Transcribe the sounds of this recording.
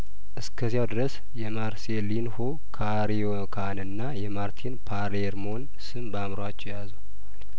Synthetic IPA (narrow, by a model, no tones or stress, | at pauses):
ʔɨskʰəzijawd̪ɨɾəs | jɛmaɾselinho | kʰa | ɾiokʰanɨnːajɛmaɾt̪ʰinpʰaɾeɾmo̞n | sɨmbamɾowat͡ʃːɛwjazu